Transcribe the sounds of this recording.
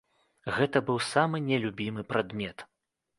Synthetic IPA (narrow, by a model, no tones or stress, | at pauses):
ɣɛt̪ɐbɨwsamɨnʲɛlʲubʲimɨpɾad̪mʲɛt̪